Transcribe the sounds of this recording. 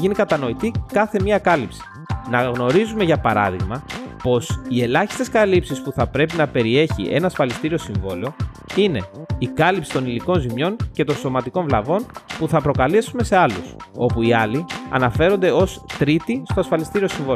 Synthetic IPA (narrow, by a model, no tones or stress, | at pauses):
ʝinikɐt̪ɐno̞it̪ikɐθe̞miɐkɐlipsi̥ | nɐɣno̞ɾizume̞ʝɐpɐɾɐ̰ðiɣmɐpo̞sie̞lɐçi̥st̪eskɐlipsispuθɐpɾe̞pinɐpe̞ɾie̞çḭʔe̞nɐːsfɐlist̪iɾio̞siɱvo̞leo̞ | ine̞ikɐlipsi̥t̪oniliko̞nzimɲo̞ɲce̞t̪o̞nso̞mɐt̪ikõ̞ɱvlɐvo̞npuθɐpɾo̞kɐlisume̞se̞ɐluso̞puiɐliɐ̰nɐfe̞ɾo̞nd̪e̞o̞st̪ɾit̪ist̪o̞ɐsfɐlist̪iɾio̞siɱvo